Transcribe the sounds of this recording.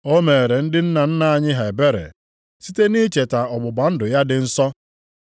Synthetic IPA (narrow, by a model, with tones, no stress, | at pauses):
o˦me˨e˨ɾe˨n̩˦dɪ˦n̩˦na˨n̩˦na˦˨a˨ɲɪ˦ɦa˨e˨be˦ɾḛ˨ | si˦te˦ni˦t͡ʃe˨ta˨ɔ˨ɡ͡bʊ˨ba˨n̩˦dʊ˨ja˦dɪ˨n̩˦sɔ˦